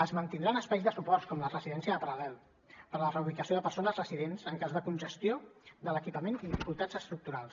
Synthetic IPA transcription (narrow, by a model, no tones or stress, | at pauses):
əzmənt̪ind̪ɾanəspajzðəsupɔɾskɔmlərəziðɛnsiəðəpəɾəlɛlˠ | pəɾlərəuβikəsioðəpəɾsonəzrəziðenzəŋkazðəkunʲʒəst̪iod̪ələkipəmeniðifikulˠt̪ad͡zəst̪ɾuk̚t̪uɾalˠs